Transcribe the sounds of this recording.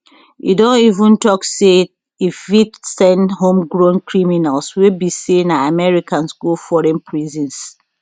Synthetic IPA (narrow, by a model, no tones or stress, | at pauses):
ʔḭdõnivũntɔkse | ifvitsɛ̃nhõmɡɹõnkɹiminalswebisĩnaamɛɹikãnskulfɔɹɛ̃npʰɹizĩns